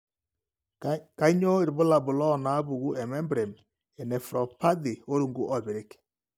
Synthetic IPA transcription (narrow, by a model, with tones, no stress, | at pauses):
ka˦ɲo˦ɪ˨ɾbʊ˦la˨bʊ˨lɔ˦˨na˨˦bu˨ɡu˦ɛ˨mɛ˦mbɾɛ˨m | ɛ˨nɛ˨fɾɔ˨pa˦d̪ɪ˨o˦ɾu˨ŋɡu˦ʔɔ˨bɪ˨ɾɪ˦k